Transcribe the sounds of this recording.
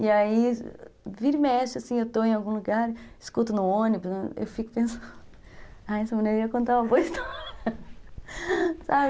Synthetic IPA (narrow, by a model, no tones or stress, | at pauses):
iai | viɾmɛst͡ʃɪasĩewt̪oẽj̃awɡũluɡaɾɪskut̪ʊnʊõnibʊsɐḛwfikʊ̥pẽsɐ̃n | ajɛsɐmɐ̃neɾiɐkõnt̪aɐvost̪a | sabɪ